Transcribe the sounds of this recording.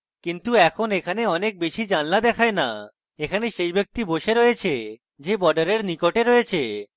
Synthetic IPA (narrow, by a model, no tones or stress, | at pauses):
kint̪uɛkʰonekʰaneɔnek̚beʃid͡ʑanlad̪ɛkʰaena̰ | ekʰaneʃejbek̚t̪iboʃeɾojet͡ɕʰe | d͡ʑebɔɾɖaɾeɾnikoʈeɾoet͡ɕʰe